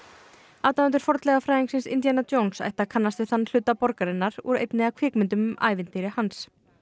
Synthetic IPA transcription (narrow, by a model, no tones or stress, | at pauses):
awt̪aʏnt̪ʏɾfɔɾt̪lɛɣafɾaːjiŋksɪnsɪ̰nt̪janːat̪oːwnsa̰jht̪akʰanːast̪vɪanːl̥ʏt̪ːapɔɾkaɾɪnːaɾuɾḛjt̪nɪakʰvɪːkmʏnt̪ʏma̰ːjvɪnt̪ɪɾɪhans